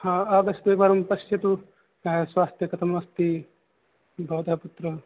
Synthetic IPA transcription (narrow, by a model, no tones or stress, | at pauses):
hãːaːd̪ɐʃɐt̪ʋepaːɾɐmpɐʃjɐt̪u | aːɐsʋaːst̪jɐkɐt̪ʰɐmɐʋɐst̪i | bʱɐʋɐt̪ɐɦɐput̪ɾɐ